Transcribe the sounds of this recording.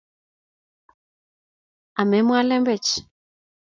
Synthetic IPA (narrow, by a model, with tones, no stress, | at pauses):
a˨mɛ˨˦mwa˦lɛ˦mbɛ˨t͡ʃ